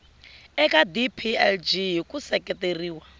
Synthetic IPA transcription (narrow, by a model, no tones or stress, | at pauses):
ɛkʼadipʰiɛld͡ʒikʼusɛkʼɛteriːwa